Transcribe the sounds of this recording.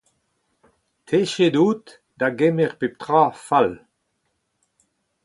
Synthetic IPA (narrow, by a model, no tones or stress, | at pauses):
t̪ʰeʃed̪uːt̪ | d̪aɡemeʁpep̚t̪ʁaːfal